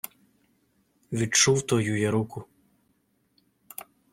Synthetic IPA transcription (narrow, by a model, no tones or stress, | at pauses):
ʋʲit͡ʃuwt̪ɔjujɛɾukʊ